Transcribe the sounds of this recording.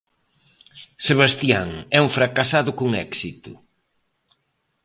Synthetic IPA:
seβast̪jaŋɛuŋfɾakasaðʊkoŋɛksit̪ʊ̰

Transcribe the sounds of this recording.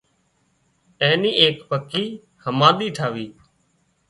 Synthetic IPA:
ẽːniːeːkpəkiː | həmãːɗ̪iːʈʰaːʋiː

